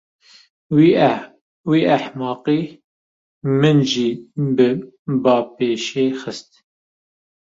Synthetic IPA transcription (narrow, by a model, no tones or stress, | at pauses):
w | wiːæħmɑːqiː | mɨnʒiːbɨ | bɑːpeːʃeːxɨst̪̚